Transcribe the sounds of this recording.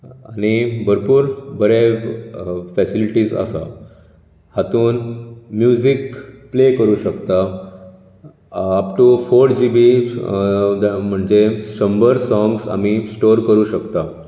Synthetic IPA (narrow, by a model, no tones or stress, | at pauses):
aɽ̃ibʱəɾpuːɾbəɾe | fɛsiliʈiːsa̰sa̰ | hat̪uːnmjud͡zikplekəɾuːɕəkt̪a | apʈufoɾʈd͡ʑibi | m̤əɳd͡zeɕəmbəɾsɔ̃ŋɡsa̰misʈoɾkəɾuːɕəkt̪a